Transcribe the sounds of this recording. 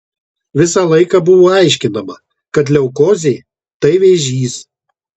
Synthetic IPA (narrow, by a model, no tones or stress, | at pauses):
ʋʲɪsɐlˠɐɪkɐbʊʋoːɐɪʃʲkʲɪnɐmɐ | kɐt̪̬lʲɛʊkoːzʲeɪ | t̪ɐɪʋʲɛʒʲiːs